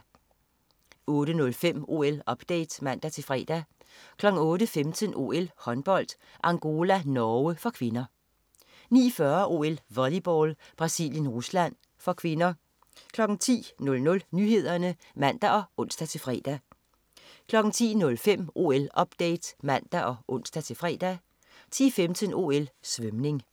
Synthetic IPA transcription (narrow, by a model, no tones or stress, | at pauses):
ɔ̽ːɾənɔ̽lfem̰o̝̰elɒ̽b̥d̥ḛɪd̥smæn̰d̥æt͡sʰe̝fʁɛ̰ːd̥ækʰlɒ̽ɡ̥ŋ̩ɔ̽ːɾəfemd̥ʰənʔo̝̰ːelhɒ̽nb̥ɒ̽l̰d̥ | ʔɑ̈ŋɡ̥o̝ːlænɒəfɒ̽kʰʋe̝nɐ | nḭːfɶɐʔo̝̰elʋɒlib̥ɒːlb̥ʁɑ̈sḭːljənʁuslæn̰ | fɒ̽kʰʋe̝nɐ | kʰlɒ̽ɡ̥n̩t͡sʰḭːnɔ̽lnɔ̽lnyhe̝ð̞̰ˠɐnə | mæn̰d̥æʔɒ̽ɔ̽n̰sd̥æt͡sʰe̝lfʁɛ̰ːd̥æ | kʰlɒ̽ɡ̥ŋ̩t͡sʰḭːnɔ̽lfem̰ʔo̝̰elɒ̽b̥d̥ɛ̰ɪd̥mæn̰d̥æʔɒ̽ʔɔ̽n̰sd̥æt͡sʰe̝lfʁɛ̰ːd̥æ | t͡sʰḭːfemd̥ʰəno̝ːelsʋømne̝ŋ